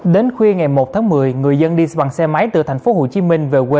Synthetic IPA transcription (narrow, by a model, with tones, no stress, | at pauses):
ɗe˨˦nxwi˧ŋa˨˩jmo˨˩t̚t̪ʰaː˨˦ŋmɨ˨˩əjŋɨ˨˩əjzə˧nɗi˧ɓa˧˩ŋsɛ˧ma˨˦jt̪ɨ̰˧˩t̪ʰa˨˩ŋ̟fo˨˦ho˧˩t͡ɕi˨˦mï˧ŋ̟ve˨˩kwe˧